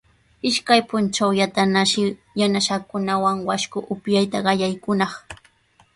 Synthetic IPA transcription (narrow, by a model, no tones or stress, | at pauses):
ɪʃkajpʊnt͡ʃawjat̪anaʃɪ | janaʃɑkʊnawaŋwaʃkʊʔʊpjajt̪aɢɑjajkʊnɑχ